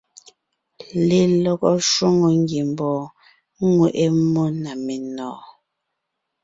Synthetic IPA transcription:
li˦lɔ˦kɔ˦ʃwo˦ŋɔ˨ŋ˦ɡji˨m˨bɔː˨˦ | ŋwe˨ʔe˦mɔ˦na˨me˨nɔː˨

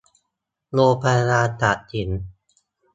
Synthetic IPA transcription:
loː˧pʰa˧ɾaː˧t̪a˨˩i˨˩˦n

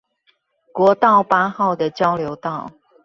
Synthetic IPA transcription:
kwɔ˧˥t̪ɑ˥˩ʊpa˥xɑ˥˩ʊd̪ə˨˩t͡ɕjɑ˥ʊljo˧˥ʊt̪ɑ˥˩ʊ

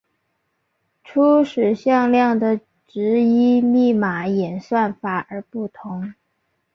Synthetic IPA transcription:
ʈ͡ʂʰu˥ʂɻ̩˨˩ɕjɑ˥˧ŋljɑ˥˩ŋd̪ə˨˩ | ʈ͡ʂɻ̩˧˥i˥mi˥˩ma˧˩˥jɛ˨˩nswa˥˩nfa˧˥ʔə˞˧˥pu˥˩t̪ʰʊ˧˥ŋ

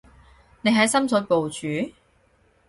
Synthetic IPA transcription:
ne˨˧jɦɐ˨˥jsɐ˥msʰɔː˨˥jpo˨wt͡ʃyː˨˥

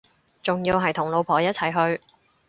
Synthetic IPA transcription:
t͡sʊ˨ŋjiː˧wɦɐ˨jt̪ʰʊ˨˩ŋlo˨˧wpʰɔː˨˩jɐ˥t̚t͡sʰɐ˨˩jɦɵ˧ɥ

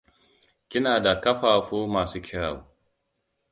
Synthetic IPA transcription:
kʲɪ˦naː˨da˨kɐ˦ɸaː˨kʷoː˦maː˨suː˦kʲɪ˦aː˨woː˦

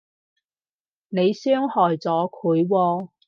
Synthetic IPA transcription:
ne˨˧jsœː˥ŋhɔː˨˩jt͡sɔː˨˥kʰuː˨˥jwɔː˧

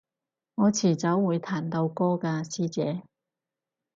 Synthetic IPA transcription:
ŋɔː˨˧t͡sʰiː˨˩t͡sɐ˨˥wːuː˨˧jt̪ʰaː˨˩nt̪o˧wkɔː˥kaː˧siː˥t͡sɛ̰ː˨˧˦

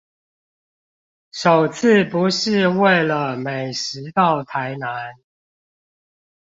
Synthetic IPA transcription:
ʂo˨˩ʊt͡s̩ʰ˥˨pu˨˦ʂɻ̩˥˧we˥˨ɪlə˨˩me˨˩ɪʂɻɻ̩˧˥t̪ɑ˥˨ʊt̪ʰa˧˦˥ɪna˧˦n

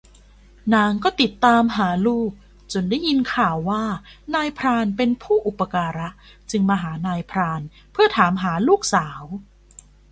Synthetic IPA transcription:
naː˧ŋkɔː˥˩t̪i˨˩t̪ːaː˧mɦaː˩˦luː˥˩k̚ | t͡ɕo˧nda˥˩ji˧nkʰaː˨˩wːaː˥˩naː˧jpʰɾaː˧npe˧npʰuː˥˩ʔu˨˩pːa˧kaː˧ɾa˦˥ʔ | t͡ɕɯ˧ŋmaː˧ɦaː˩˦naː˧jpʰɾaː˧n | pʰɯ˥˩ɐt̪ʰaː˩˦mɦaː˩˦luː˥˩k̚saː˩˦w

